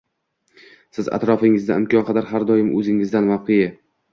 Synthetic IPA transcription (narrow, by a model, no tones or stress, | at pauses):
sɪza̰t̪ɾɒfɪŋɪzd̪aɪmkʲʰɒnqʰɑd̪aɾɦaɾd̪ɒjɪmʔɵzɪŋɪzd̪anvɒqʰeja